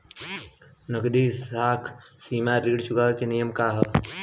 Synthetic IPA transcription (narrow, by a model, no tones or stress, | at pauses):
nəɡd̪isaːkʰsiːmaɾiːɽt͡ʃʊɡakenijəmkaɦ